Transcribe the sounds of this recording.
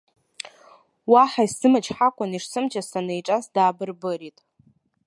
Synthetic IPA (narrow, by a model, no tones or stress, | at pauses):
waħaisɨmɨt͡ʃʰʼħakʷʼaniʂsɨmt͡ʃʰʼassanejʈ͡ʂʼasdaːbɨrbɨritʼ